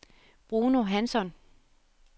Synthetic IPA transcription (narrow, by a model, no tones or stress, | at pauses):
b̥ʁuːno̝ɦænsɒn